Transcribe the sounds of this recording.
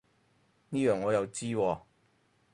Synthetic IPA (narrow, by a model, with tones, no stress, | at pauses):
niː˥jœː˨˩ŋːɔː˨˧jɐ˨˧wt͡siː˥wɔː˧